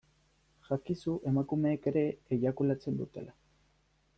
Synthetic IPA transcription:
ʝakisuʔe̞makume̞ːke̞ɾe̞ːʎakulat͡se̞nd̪ut̪e̞̰la

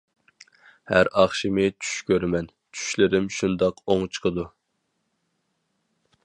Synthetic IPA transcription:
hæ̰ɾɑχʃimɪt͡ʃʰy̥ʃkʲøɾmɛn | t͡ʃʰy̥ʃlɪɾɪmʃund̪ɑqoŋt͡ʃʰə̥qʰəd̪u

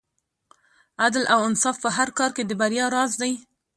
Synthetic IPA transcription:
ad̪lʔawansɑfpəɦaɾkɑɾked̪əbaɾjɑɾɑzd̪aj

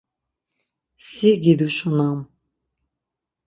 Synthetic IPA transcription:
siɡid̪uʃunam

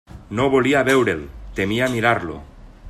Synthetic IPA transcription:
noβoliaβewɾelt̪emiamiɾaɾlo̰

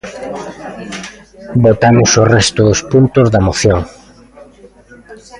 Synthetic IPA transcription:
bot̪amʊsorɛst̪ʊðʊspunt̪ʊzðɐmoθjoŋ

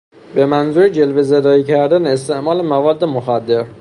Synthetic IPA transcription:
be̞mænzuːɾed͡ʒelvezed̪ɒːiːcʰæɾd̪æneːst̪ʰeʔmɒːlemævɒːd̪ːemoxæd̪ːe̞ɾ

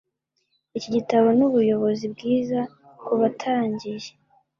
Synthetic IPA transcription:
iciɟitaβo̞nuβujo̞βo̞zibɡiːza | kuβatʰaːɲɟiʒe

